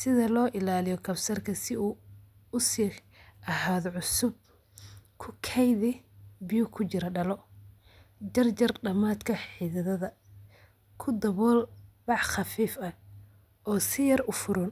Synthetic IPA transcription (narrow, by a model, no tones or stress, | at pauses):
sɪðɐlɔːʔɪlaːlɪjɔkʰɐbsɐrkʰɐsɪuː | ʊsi | ʔɐɦaːðʕʊsʊb̚ | kʰʊkʰɛjðɪbɪjʊkʰʊt͡ʃɪɾɐɖɐlɔ | d͡ʒɐrd͡ʒɐrɖɐmaːt̪kʰɐħiðɐðɐðɐ | kʰʊd̪ɐβɔːlbɑʕχɑfiːfɐ | ɔːsɪjɐrʊfʊɾʊn